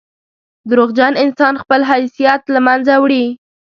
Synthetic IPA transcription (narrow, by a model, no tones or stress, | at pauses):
d̪ɾoɣd͡ʒanɪnsɑnxpəlɦajsijat̪lamanzawɽi